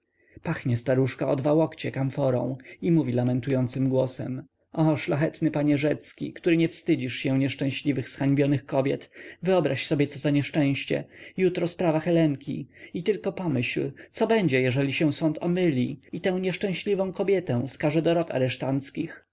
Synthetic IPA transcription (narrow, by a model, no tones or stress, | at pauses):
paxɲɛst̪aɾuʂkaɔd̪vawɔkt͡ɕɛkamfɔɾɔ̰̃w̃imuvʲilamɛnt̪ujɔnt̪sɘmɡwɔsɛ̰m | ʔɔʂlaxɛt̪nɘpaɲɛʐɛt̪skʲḭkt̪uɾɘɲɛfst̪ɘd͡ʑiʂɕɛ̃ɲɛʂt͡ʂɛ̃w̃ɕlʲivɘxsxaɲbʲjɔnɘxkɔbʲjɛt̪vɘɔbɾaɕsɔbʲjɛt̪sɔzaɲɛʂt͡ʂɛ̃w̃ɕt͡ɕɛ̰jut̪ɾɔspɾavaxɛlɛŋkʲḭit̪ɘlkɔpɔmɘɕlt̪sɔbɛɲd͡ʑɛjɛʐɛlʲiɕɛw̃sɔnt̪ʰɔ̰mɘlʲiit̪ɛ̃w̃ɲɛʂt͡ʂɛ̃w̃ɕlʲivɔ̃w̃kɔbʲjɛt̪ɛ̃w̃skaʐɛd̪ɔɾɔt̪a̰ɾɛʂt̪ant̪skʲix